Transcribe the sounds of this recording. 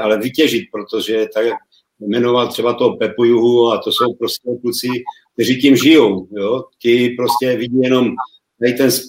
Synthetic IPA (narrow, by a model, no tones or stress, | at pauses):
ʔalɛvicɛʒit̪̚pɾot̪o̞ʒɛt̪aak | mɛnovalt̪r̥ɛbat̪opɛpujuɦuat̪oso̞wpɾoscɛkut͡sɪk̚t̪ɛriːcimʒɪjo̞wjot̪ɪpɾoscɛviɟijɛno̞m | t̪ait̪ɛns